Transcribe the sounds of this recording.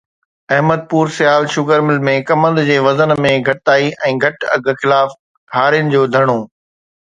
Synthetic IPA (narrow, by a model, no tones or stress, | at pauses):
ɐɦməd̪̚puːɾsɪjaːlʃʊɡəɾmɪlmẽkɐmə̃nd̪d͡ʑeːʋɐzənmẽɡʱɐʈt̪aːiʔɛ̃ːɡʱɐʈɐ̰ɡ̆ʱxɪlaːf | ɦaːɾɪjənɪ̆d͡ʑoːd̪ʱɐɽ̃oː